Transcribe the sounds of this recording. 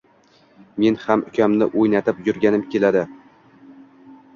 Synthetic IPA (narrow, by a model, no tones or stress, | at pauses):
me̞nhamʊkʲʰamnɪʔojnat̪ʰɪpjʊɾɡʲanɪmkʲe̞lad̪ɪ